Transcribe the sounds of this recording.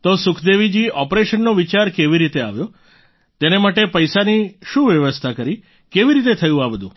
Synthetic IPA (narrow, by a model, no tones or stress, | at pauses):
t̪osʊkʰd̪eʋid͡ʒiɔpɾeʃənːoʋit͡ʃaɾkeʋiɾit̪ea̰ʋjo | t̪enemaʈepəjsaniʃũʋjəʋəst̪ʰakəɾi | keʋiɾit̪̬et̪ʰəjũabəd̪ʱṵ̃